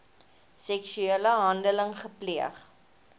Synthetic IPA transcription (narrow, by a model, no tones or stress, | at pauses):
sɛksyeləɦɐndələŋχəpliəχ